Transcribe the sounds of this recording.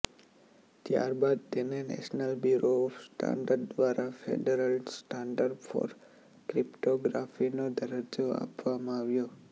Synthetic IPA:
t̪ja̰ɾbad̪̚t̪enenɛ̰snəlbjuɾoɔfsʈa̰ɳɖəɾɖd̪ʋaɾʔafʰḛɖəɾəlsʈaɳɖəɾɖfʰɔ̰ɾ | kɾipʈoɡɾafinod̪ʱəɾəd͡ʒoa̰pʋamãaʋjo

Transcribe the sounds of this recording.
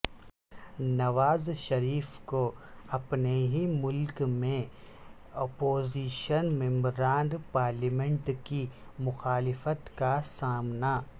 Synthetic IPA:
nɐʋaːzʃɐɾiːfkoɐpneɦimʊlkmẽ | ɔːpoːziːʃənmɛ̃mbɾaːnd̪paːɾlimẽɳʈkimʊxaːlɪfət̪kasaːmna

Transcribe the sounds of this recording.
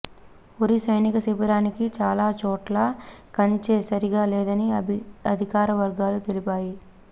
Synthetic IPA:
oɾisɐjnikɐsipɐɾaːnikit͡ʃaːlaːt͡ʃɔːʈlaːkɐɲt͡ʃeːsɐɾiɡaːlɛːd̪ɐniɐd̪ʱikaːɾɐʋɐɾɡaːlut̪elipaːji

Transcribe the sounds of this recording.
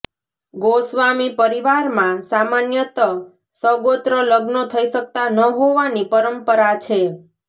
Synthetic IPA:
ɡosʋamipəɾiʋaɾmãsamanjət̪ə | səɡot̪ɾələɡnot̪ʰəiʃək̚t̪anəɦoʋanipəɾəmpəɾat͡ʃʰe

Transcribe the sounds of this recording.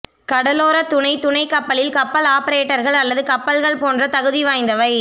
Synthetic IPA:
kɐɽɐloːɾɐt̪ʊɳɐɪt̪ʊɳɐɪkɐpːɐɭɪlkɐpːɐlaːpɐɾeːʈːɐɾɣɐɭɐlːɐðɯkɐpːɐlɣɐɭpoːndrɐt̪ɐɣɯðiʋaːjnd̪ɐʋɐɪ

